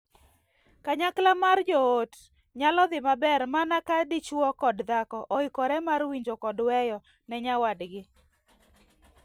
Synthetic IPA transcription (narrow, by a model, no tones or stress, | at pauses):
kaɲaklamard͡ʒoot | ɲalɔd̪ɪmabɛrmanakadɪt͡ʃwɔkɔdd̪akɔʔoɪkɔɾɛmarwiɲd͡ʒokɔdwɛjɔ | nɛɲawadɡɪ